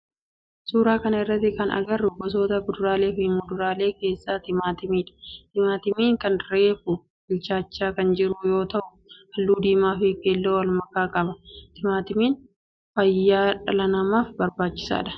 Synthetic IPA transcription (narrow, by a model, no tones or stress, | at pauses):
suːɾaːkɐnɐɪrːɐt̪ːɪkɐnɐ̰ɡɐrːʊbɔs̬o̞ːt̪ɐbʊd̪ʊɾaːle̞ːfɪnmʊd̪ʊɾaːle̞ːke̞ːsːaːt̪ɪmaːt̪ɪmiːᶑɐ̥t̪ɪmaːt̪ɪmiːŋkɐnɾeːfʊ | bɪlt͡ʃaːt͡ʃːaːkɐnd͡ʒɪɾʊjo̞ːt̪ɐʔʊ | hɐlːuːd̪iːmaːfeːkːeːlːoːwɐlmɐkaːkʼɐbɐt̪ɪmaːt̪ɪmiːn | fɐjːaːᶑɐlɐnɐmaːfbɐɾbaːt͡ʃːɪ̥sa̰ːᶑɐ̥